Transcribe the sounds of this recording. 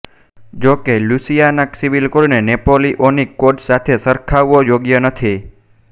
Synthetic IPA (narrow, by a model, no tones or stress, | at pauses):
d͡ʒokelusijanaksiʋilkolnenepoliʔonikːoʈsat̪ʰesəɾkʰaʋːojoɡjənət̪ʰi